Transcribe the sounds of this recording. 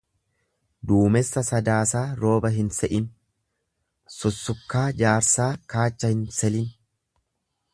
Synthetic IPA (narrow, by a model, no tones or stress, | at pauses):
d̪uːmɛsːɐsɐd̪aːsaːɾo̞ːbɐɦɪnsɛʔɪn | sɔsːʊkːaːd͡ʒaːɾsaːkaːt͡ʃːɐhɪnsɛlɪn